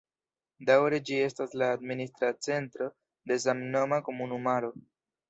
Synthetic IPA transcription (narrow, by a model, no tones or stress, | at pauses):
dawɾe̞d͡ʒie̞staslaːd̪ministɾat͡se̞ntɾo̞ | de̞zamno̞makomunumaɾo̞